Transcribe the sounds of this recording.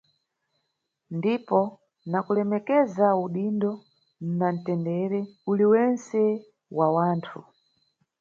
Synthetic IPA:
ndipɔ | nakulɛmɛkɛzauɗindɔ | n̩nan̩tɛndɛɾɛuliwɛnsɛ | wawaːntʰu

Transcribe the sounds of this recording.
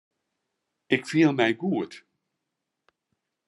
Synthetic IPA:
ɪkfiːlˠmɛɪɡud̥

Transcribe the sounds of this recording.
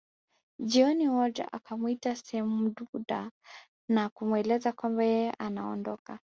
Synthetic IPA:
ʄiɔniwɔd͡ʒa̰ʔa̰kamuitasɛhɛmuɗuɗa | nakumwɛlɛzakwambajɛjɛʔanaɔ̰ndɔka

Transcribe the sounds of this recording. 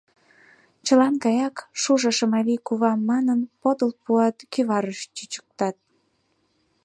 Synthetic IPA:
t͡ɕəlɑnkɑjɑkʃuʒəʃəmɑlikuβɑmːɑnənpod̪əlpuɑt̪kyβɑɾəʃt͡ɕyt͡ɕə̥k̚t̪ɑt̪̚

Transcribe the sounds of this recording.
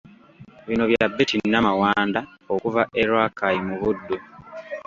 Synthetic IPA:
βino̞βjabːetinːamawaːndaokuvaʔeɾwaːkajimuβudːu

